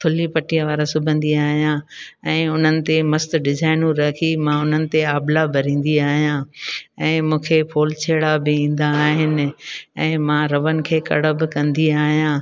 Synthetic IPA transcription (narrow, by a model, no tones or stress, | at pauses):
t̪ʰʊlipɐʈijə̃ʋaːɾasʊbʱə̃nd̪iaːɦijã | ɛ̃ːʊn̤ənɪ̆t̪emɐst̪ɖɪzaːɪnũɾɐkʰimãʊn̤ənɪ̆t̪eaːblabʱɐɾĩːn̆d̪iaːɦijãɛ̃ːmũːkʰepʰoːlt͡ɕʰeːɽabɪĩːn̆d̪aːɦɪnɪ̆ɛ̃ːmãɾɐʋənɪ̆kʰeːkɐ̰ɽəbɪkɐ̃nd̪iaːɦijãː